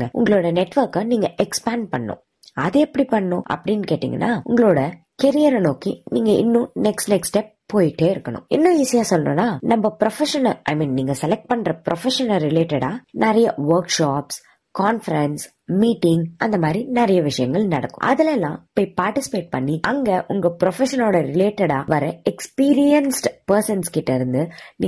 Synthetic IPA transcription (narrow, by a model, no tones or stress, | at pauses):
ŋɡɐʔʊ̰ŋɡɐɭoːɽɐnɛʈːʋɐɾkɐniːŋɡɐʔɛkspaːnpɐɳːʊ̰̃ | ɐðɯɛpːɐɽipɐɳːɐnʊ̃ɐ̰pːɐɽɪnːkeːʈːḭːŋɡɐ̰nːaːʊ̰ŋɡɐɭoːɽɐ | kɛɾɪjɐɾɐnoːkiniːŋɡɐʔɪ̰nːʊ̃nɛksʈnɛksʈep̚ | pːoːjɪʈːeːɪɾɯkːɐnʊ̰̃ɪ̰nːʊ̃iːsɪjaːsɔlːɐnʊ̰̃nːaːnɐmbɐpɪɾɔfɛʂɐnɐʔɐ̰ɪmĩːnniːŋɡɐsɛlɛk̚ʈ̚pɐɳɾɐpɾʔɔfɛʂɐnɐɾɪleːʈɛɽaːnɐɾɐjɐʋɐɾkʂaːps | kaːnfɐɾɛns | miːʈːɪŋɡɐnd̪ɐmaːd̪ɾinɐɾɐjɐʋɪʂɐjɐŋɡɐɭnɐɽɐkːʊ̰̃ʔɐ̰ðɪlɛlːã̰ːɪpːoːɪpaːɾʈɪsɪ̥peːʈ̚pɐɳːiʔɐŋɡeʔʊŋɡɐpɾɔfɛʂɐnoːɽɐɾɪleːʈːɐɽaːʋɐɾɐɛkspiːɾɪjɐnsʈpɐɾsɐnskɪʈːɐɪɾɯnd̪ɯni